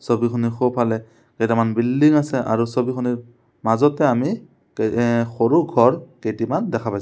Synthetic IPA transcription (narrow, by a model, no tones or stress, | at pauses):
sobixʰɔnixopʰalɛ | kejtamanbildiŋasɛʔa̰ɹusobixʰɔniɹ | mazɔtɛami | kexoɹuɡʱɔɹkejtimandɛkʰapajs